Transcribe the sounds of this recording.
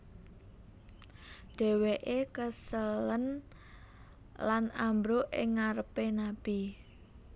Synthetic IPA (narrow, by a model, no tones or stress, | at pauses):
ɖ̥ɛ̤weʔekəsələn | lanambɾoʔɪ̰ŋːaɾəpenab̥i